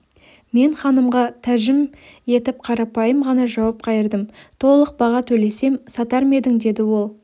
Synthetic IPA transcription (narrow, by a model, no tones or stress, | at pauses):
me̞ɴχɑnəmʁɑt̪ʰæʒɪmje̞t̪ɪp̚qʰɑɾɑpɑjəmʁɑnɑʒɑwɑp̚qʰɑjəɾd̪əmt̪ʰo̞lˠəq̚bɑʁɑt̪ʰɵle̞se̞msɑt̪ɑɾme̞d̪ɪŋd̪e̞d̪ɪwo̞lˠ